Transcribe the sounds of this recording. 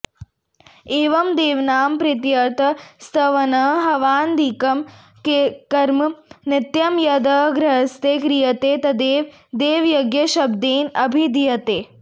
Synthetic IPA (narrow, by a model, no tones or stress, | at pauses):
eːʋɐmd̪eːʋnaːmpɾɪt̪jɐt̪ɐst̪ʰɐʋɐnɐɦɐʋaːnd̪ikɐm | kekɐɾmnɪt̪jɐmjɐd̪ɐːɡɾɐɦɐst̪eːkɾijɐt̪eːt̪ɐd̪eːʋ | d̪eːʋjoɡjɐʃɐbd̪eːnɐbʱid̪ijɐt̪eː